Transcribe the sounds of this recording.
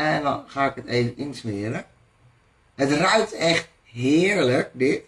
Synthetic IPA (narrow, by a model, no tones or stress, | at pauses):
ɛndɔnxaːɪkəteːvəninsmɪəɾə | ətrœɥtɛχt̚ | ɦɪːəɹlək̚dɪt